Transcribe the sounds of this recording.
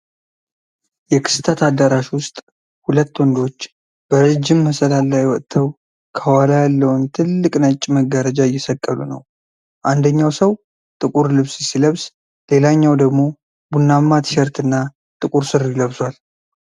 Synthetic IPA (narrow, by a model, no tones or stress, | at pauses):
jɛkʰɨ̥st̪ʰət̪ʰad̪ːəɾaʃwʊst̪ʼ | hulət̪ːwɔnd̪o̞t͡ʃː | b̥əɾəd͡ʒːɪmːəsəlalːajwɔt̪ʰːəw | kʰəwalajalːəwnt̪ʰɨlːɨkʼnət͡ʃʼːməɡːəɾəd͡ʒajːɛsəkʼːəlunə̰w | ʔand̪əɲːawsəw | t̪ʼɨkʼuɾlɨβssiləβs | le̞laɲːawd̪əɡmo̞ | bunːamːat̪ʰʃɛɾt̪ɨnːa | t̪ʼɨkʼuɾsɨɾiləβswal